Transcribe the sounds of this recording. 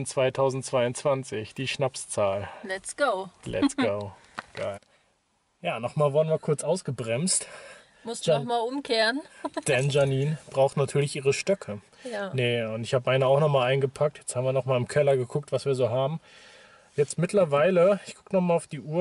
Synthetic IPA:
nt͡sv̥aɪtʰaʊzn̩tt͡sv̥aɪʊnt͡sv̥ant͡sɪçd̥iːʃnapst͡saːllɛsɡ̥oʊlʔɛ̰sɡ̥oʊ | ɡ̥a̰ɪl | jaːnɔχmaːlvɔːɐdənviːɐkʰʊɐt͡sʔaʊsɡ̥əbʁɛmst | mʊstχmaːlʊmkʰeːənd̥ɛnʒaniːnb̥ʁaʊxtnatʰyːɐlɪçʔiːʁəʃtœkʰə | nəʊntɪçhaːbəʔaɪnəaʊxnɔχmaːlʔaɪnɡəpʰak̚tʰjɛt͡sthaːbmviɐnɔχmaːlɪmkʰɛlɐɡəkʰʊk̚tv̥asv̥iːɐzoːɦaːbm̩ | jɛt͡stmɪtʰlɐvaɪləɪçɡ̥ʊkənɔχmaːlaʊfd̥iːʔuːɐ

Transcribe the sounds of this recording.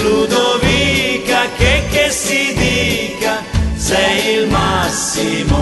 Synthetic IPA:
lud̪ovikakekːesid̪ikasɛjilmasːimo

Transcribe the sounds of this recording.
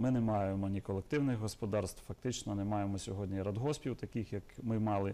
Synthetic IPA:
mɪnɛmɑjemɔnʲikɔlˠek̚t̪ɪwnɪxɦɔspɔd̪ɑrst̪fɐk̚t̪ɪt͡ʃnɔnɛmɑjemɔsʲɔɦɔdʲnʲiɾɐd̪ɦɔsʲpʲiwt̪ɐkʲixjɐkmɪmɑlˠɪ

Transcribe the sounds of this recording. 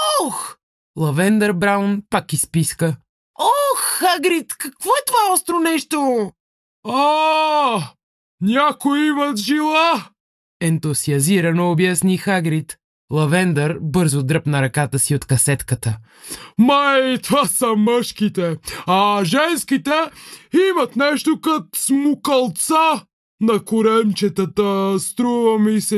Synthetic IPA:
ɔx | lˠɐvɛnd̪ɐɾbɾawnpakispiskə | ɔxːaɡɾit̪kɐkvɔɛt̪ovaɔst̪ɾonɛʃt̪o | a | nʲakojimɐt̪ʒilˠa | ɛnt̪osiɐziɾɐnoːbjasnixaɡɾit̪ | lˠɐvɛnd̪əɾbɤɾzʊd̪ɾɤpnɐɾɐkat̪əsiot̪kɐsɛt̪kət̪ə | mait̪vasəməʃkit̪ɛɐʒɛnskit̪ɛimɐt̪nɛʃt̪okɐt̪smʊkɐlˠt̪sa | nɐkʊɾɛnt͡ʃɛt̪ət̪əst̪ɾuvɐmisɛ

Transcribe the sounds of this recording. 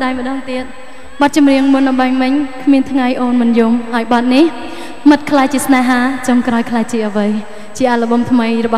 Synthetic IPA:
ɗaɛjmə̆ɗɑːŋt̪iət̪̚ | ɓɑt̪̚t͡ɕɑmriəŋmunɗɑɓaːŋmɨɲkʰmiənt̪ʰŋajʔoːnmɨnjumhaɔjɓɑt̪̚nih | mɨt̪̚kʰlaɛjt͡ɕiəsnaɦaːt͡ɕɑŋkraɔjkʰlaɛt͡ɕiəʔəʋɨj | t͡ɕiəʔalə̆ɓɑmt̪ʰməjrɔɓɑ

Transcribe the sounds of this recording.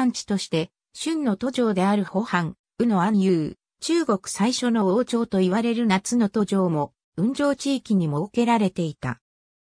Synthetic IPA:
ãɲ̟t͡ɕi̥t̪o̞ɕi̥t̪e̞ | ɕɨ̃nːo̞t̪o̞ʑo̞ːd̪e̞aɾɯ̟ho̞hãŋ | ɯ̟no̞ajɯ̟ː | t͡ɕɨːɡo̞kɯ̟̥saiɕono̞oːt͡ɕo̞ːt̪o̞iβaɾe̞ɾɯ̟nat͡sɨno̞t̪o̞ʑo̞ːmo̞ | ɯ̟̃ɲ̟d͡ʑo̞ːt͡ɕiːkʲiɲ̟imo̞ke̞ɾaɾe̞t̪e̞it̪a̰

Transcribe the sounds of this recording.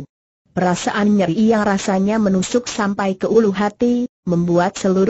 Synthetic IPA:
pəɾasaʔanɲəɾijaŋrasaɲamənusʊk̚sampajkəʔuluɦat̪iməmbuat̪̚səluɾ

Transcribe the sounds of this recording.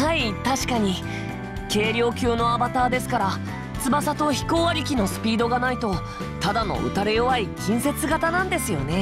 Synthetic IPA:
ait̪aɕi̥kaɲ̟i | ke̞ːɾʲo̞ːkʲɨːno̞abat̪aːd̪e̞sɨ̥kaɾa | t͡sɨbasat̪o̞çi̥koːβaɾʲikʲino̞sɨ̥pʲiːd̪o̞ɡanait̪o̞ | t̪ad̪ano̞̰ʔɯ̟̰t̪aɾejoβaikʲĩɰ̃se̞t͡sɨɡat̪anãnd̪e̞sɨjo̞ne̞

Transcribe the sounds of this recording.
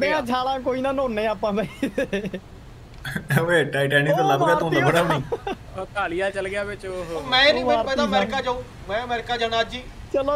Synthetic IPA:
d̪eːãːt͡ʃʰaːlãːkoːiːnãːnõːnːeːaːpãːbai | eːʈaːɪʈɛːnit̪aləɡaːt̪õːnabəɽaniː | t̪aːlijaːt͡ʃəlɡɪaːʋɪt͡ʃoɦmɛ̃ːaːɾɛ̃d̪aːmɛːɾɪkaːd͡ʒaːũː | mɛ̃ːəmɛːɾɪkaːd͡ʒanaːd͡ʒiːt͡ʃəloː

